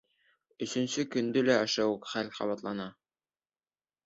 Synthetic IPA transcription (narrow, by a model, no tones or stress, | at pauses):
ɵ̆sɵ̆nsɘkɵ̆nd̪ɘlæɑʃæwkχælχɑ̰βɑt̪lˠɑnɑ